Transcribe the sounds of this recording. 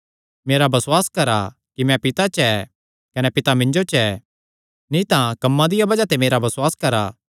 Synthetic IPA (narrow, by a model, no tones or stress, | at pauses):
meːɾabɐswaːskɐɾa | kimɛ̃pɪt̪at͡ʃɛ | kɐnɛpɪt̪amɪ̃ɲd͡ʒot͡ʃɛ | nĩt̪ãkɐmːãd̪ɪjabɐd͡ʒat̪emeːɾabɐswaːskɐɾaː